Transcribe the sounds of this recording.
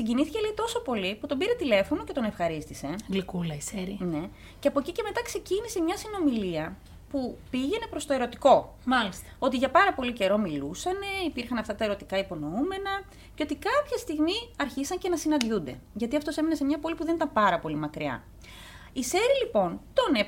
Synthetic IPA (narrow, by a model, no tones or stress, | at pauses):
siɲɟiniθi̥celeit̪o̞so̞po̞liput̪o̞mbiɾe̞t̪ile̞fo̞no̞ce̞t̪o̞ne̞fxɐɾist̪ise̞ɡlikulɐiseɾine̞ | ceɐpo̞ciceme̞t̪ɐkse̞cinise̞mɲɐsino̞miliɐ | pupiʝe̞ne̞pɾo̞st̪o̞e̞ɾo̞t̪i̥ko̞ | mɐlist̪o̞t̪iʝɐpɐɾɐpo̞lice̞ɾo̞milusɐne̞ipiɾxɐnɐft̪ɐt̪ɐe̞ɾo̞t̪ikɐipo̞no̞ume̞nɐ | ceo̞t̪ikɐpçɐst̪iɣmiɐɾçisɐɲce̞nɐsinɐnd̪ʝund̪e̞ʝɐt̪iɐft̪o̞semenɐsemɲɐpo̞lipuðe̞nit̪ɐmpɐɾɐpo̞limɐkɾiɐ̰ | ise̞ɾilipo̞nt̪o̞ne